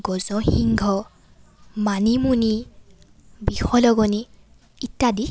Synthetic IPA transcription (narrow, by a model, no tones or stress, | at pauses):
ɡɔzɔxiŋɡʱɔ | manimuni | bixɔlɔɡɔni | itːadi